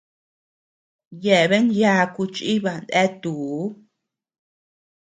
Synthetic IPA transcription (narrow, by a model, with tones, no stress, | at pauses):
je˨βe˦nja˦ku˧t͡ʃi˦βa˧˨nd̪e˦t̪u˨˦